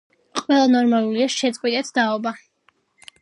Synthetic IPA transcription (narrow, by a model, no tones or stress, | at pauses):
qʼwɛlˠanɔɾmalˠuliaʃɛt̪sʼqʼwit̪ʼɛt̪ʰd̪̥aɔba